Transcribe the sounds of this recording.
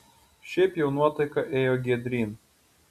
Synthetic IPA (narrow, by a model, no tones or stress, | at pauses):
ʃʲɛɪpjɛʊnuɔt̪ɐɪkɐʔeːjoɡʲiɛd̪ʲɾʲiːn